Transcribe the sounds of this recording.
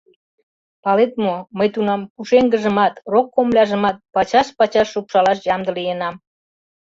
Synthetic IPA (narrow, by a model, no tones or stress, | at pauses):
pɑlet̪̚moməjt̪unɑmkuʃeŋɡə̆ʒə̆mɑt̪rokːomlʲɑʒə̆mɑt̪̚pɑt͡ɕɑʃpɑt͡ɕɑʃːupʃɑlɑʃjɑmd̪əlijenɑm